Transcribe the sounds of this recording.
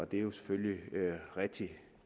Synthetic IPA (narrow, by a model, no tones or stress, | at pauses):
ɒ̽d̥ejo̝se̥føljiøʁɛɡ̥̚d̥i